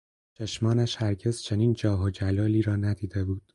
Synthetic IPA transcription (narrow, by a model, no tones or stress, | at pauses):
t͡ʃʰeʃmɒːnæʃhæɾɟe̞z̥t͡ʃʰe̞niːnd͡ʒɒːɦod͡ʒælɒːliːɾɒːnæd̪iːd̪e̞buːd̪̥